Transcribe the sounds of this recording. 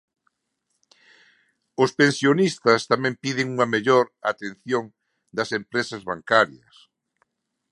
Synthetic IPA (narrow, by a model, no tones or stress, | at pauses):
ʊspẽnsjonist̪ɐst̪amɛ̃mpið̞ɪŋuŋɐmeʎoɾat̪enθjoŋ | d̪ɐsempɾesɐzβaŋkaɾjɐs